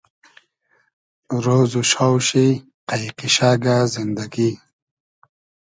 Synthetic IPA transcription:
ɾoːzuʃawɕi | qajqiɕaːɡazind̪aɡi

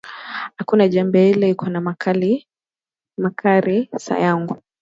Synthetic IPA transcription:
hakunaʄambɛilɛikʰɔnamakali | makʰaɾisa̰jaŋɡu

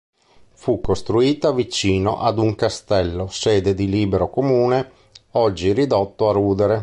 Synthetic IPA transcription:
fukːost̪ɾuiːt̪avit͡ʃiːno̰ʔad̪uŋkast̪ɛlːosɛːd̪ed̪iliːbeɾokomuːne | ɔd͡ʒːiɾid̪ot̪ːoaruːd̪eɾe

